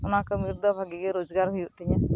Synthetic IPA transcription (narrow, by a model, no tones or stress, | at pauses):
ɔnakəmiɾd̪ɔbʱaɡiɡɛɾod͡ʒɡaɾɦujuʔt̪ɲa